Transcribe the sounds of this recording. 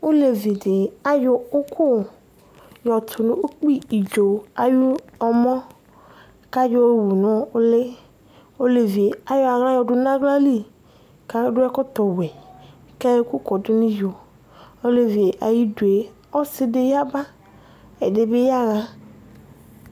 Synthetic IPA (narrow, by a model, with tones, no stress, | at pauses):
o˦le˨vi˨de˨a˨jo˨o˦kʰo˦˨ | jɔ˨tʰʊ˨nũ˨o˦k͡pi˦i˨d͡ʒo˨a˨ju˦ɔ˨mɔ̃˦ | ka˦jo˦wu˨nɔ̃˦o˦le˦ | o˦le˨vi˨e˨a˦jo˦a˨ɣa˦jɔ˨ɖʊ˨nã˦ɡla˦li˦˨ | ka˦ɖʊ˦ɛ˦kɔ˦t̪ɔ˨wɛ˨ | ke˦ku˦kɔ˨du˦nĩ˦jo˨ | o˦le˨vi˨e˨ʔa˨ji˦du˨e˨ | ɔ˦se˦de˦ja˦ba˦ | e˨de˨be˦ja˦ɣa˦